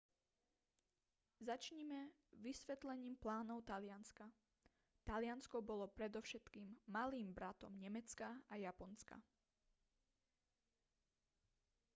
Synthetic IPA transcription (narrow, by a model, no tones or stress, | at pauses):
zat͡ʃɲimɛ | ʋisʋɛt̪lɛɲiːmplaːnɔʊt̪alɪanska | t̪alɪanskɔbɔlɔpɾɛd̪ɔʊʃɛt̪kiːmːaliːmbɾat̪ɔmɲɛmɛt͡skaajapɔnska̰